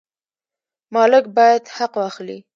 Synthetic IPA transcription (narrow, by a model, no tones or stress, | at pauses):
mɑlɪk̚bɑjad̪haqwɑxlḭ